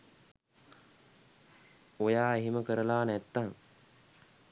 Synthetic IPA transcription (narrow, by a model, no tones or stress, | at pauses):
ojaːeɦiməkəɾəlaːnæt̪ːaŋ